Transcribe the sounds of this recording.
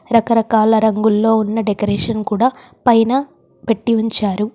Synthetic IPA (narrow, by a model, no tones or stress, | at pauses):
ɾɐkɐɾɐkaːlɐɾɐŋɡulːo̞ːunːɐɖekɐɾeːʂɐnkuːɽaː | pɐjnɐ | peʈːiʋuɲt͡ʃaːɾu